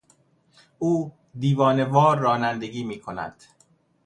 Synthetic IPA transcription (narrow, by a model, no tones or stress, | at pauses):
ʔuː | d̪iːvɒːne̞vɒːɾːɒːnænd̪e̞ɡiːmiːkʰo̞næ̰d̪̥